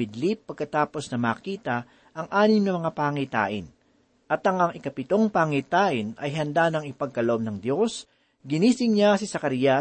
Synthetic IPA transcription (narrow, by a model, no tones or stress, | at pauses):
ɪd̪lipːɐɡ̚kɐt̪aːpo̞snɐmaːkiːt̪ɐ | ʔɐŋʔaːnɪmnɐmɐŋapaːŋit̪a̰ːʔɪ̰n | ʔɐt̪ɐŋɐŋɪkɐpɪt̪o̞ŋpaŋit̪aːʔɪnɐ̰jɦɐnd̪anɐŋɪpɐɡ̚kɐloʔbnɐŋd̪jo̞s | ɡɪniːsɪŋɲasɪsɐkɐɾijɐ